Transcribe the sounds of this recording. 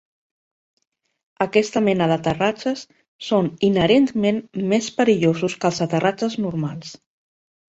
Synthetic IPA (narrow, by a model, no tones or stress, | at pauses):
əkɛst̪əmɛnəðət̪ərat͡ʃəsː | oninəɾent̪menmespəɾiʎozuskəlˠzət̪ərat͡ʃəznuɾmalˠs